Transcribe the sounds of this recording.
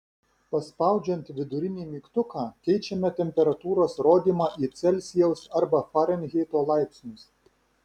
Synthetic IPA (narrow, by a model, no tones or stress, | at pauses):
pɐspɑˑʊd͡ʒʲɛnʲt̪ʋʲɪd̪ʊɾʲɪnʲiːmʲiːkt̪ʊkɑːkʲɛɪt͡ʃʲɛmʲɛt̪ʲɛmʲpʲɛɾɐt̪uːɾoːsɾoːd̪ʲiːmɑːʔiːt̪sʲɛlʲsʲɪjɛʊsɐɾbɐfɑɾʲɛnʲɣʲɛːt̪oːlˠɑɪpʲsʲnʲʊs